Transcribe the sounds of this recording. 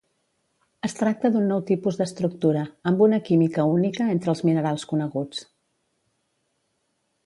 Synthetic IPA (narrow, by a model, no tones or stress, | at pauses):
əst̪ɾak̚t̪əðunːɔwt̪ipuzðəst̪ɾuk̚t̪uɾəːmbunəkimikəunikəent̪ɾəlˠzminəɾalˠskunəɣut͡s